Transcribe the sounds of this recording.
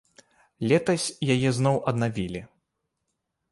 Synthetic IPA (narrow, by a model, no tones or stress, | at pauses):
lʲɛt̪ɐsʲjajɛznɔwʔɐd̪navʲilʲi